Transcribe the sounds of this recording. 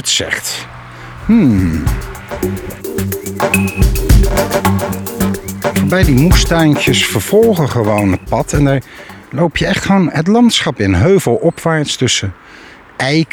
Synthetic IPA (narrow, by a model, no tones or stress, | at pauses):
tsɛ̰χt | m̩ | v̥oːɹbɛjdimustɛjnkjəsfəɹv̥ɔlˠχəχəʋownɦət̚pɑtɛndaːɹlowpʰjəɛχtχəʋownɦət̬lɑntsχɑpɪnɦøɥvəlˠʔɔpʋaːɹtstɵsə | ɛjk